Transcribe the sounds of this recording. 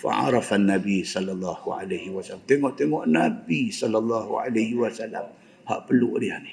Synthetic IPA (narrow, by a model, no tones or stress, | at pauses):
fa̰ʕɑ̰ɾɑfanːabisɔlalˤːɑhuʕa̰lahiwasalamt̪eŋɔʔt̪eŋɔʔnabisɔlalˤːɑhua̰lahiwasala̰m | ha̰ʔpəluʔdianih